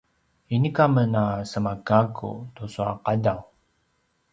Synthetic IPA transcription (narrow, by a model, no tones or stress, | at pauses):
inikamənasəmakakṵtusua̰qadaw